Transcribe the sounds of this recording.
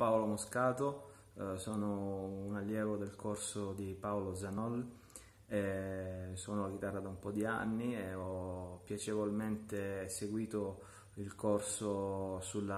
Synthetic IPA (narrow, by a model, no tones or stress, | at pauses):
paolomoskaːt̪o | soːnounalːjɛːvod̪elkorsod̪ipaolod̪zanɔl | e | soːnoaɡ̟it̪arːad̪aumpɔd̪ia̰nːieɔpːjat͡ʃevolment̪eseɡwiːt̪o | ilkorsosulːa